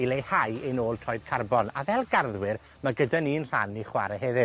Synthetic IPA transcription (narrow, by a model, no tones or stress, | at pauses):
ilejhajenoːlˠtʰrɔjd̚kʰarbɔna̰vɛlˠɡarðwɪr | maɡədaninr̥a̰nːiχwa̰ɾəɦɛðɨ